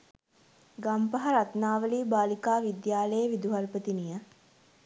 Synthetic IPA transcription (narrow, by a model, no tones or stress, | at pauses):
ɡampɐɦaɾat̪naːʋəliːbaːlikaːʋid̪jaːləjəʋid̪uɦalpət̪inijə